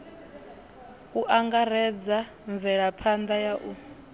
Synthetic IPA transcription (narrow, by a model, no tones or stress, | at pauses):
uʔaŋɡaɾɛd͡za | ɱvɛɺapʰand̪ajaʔu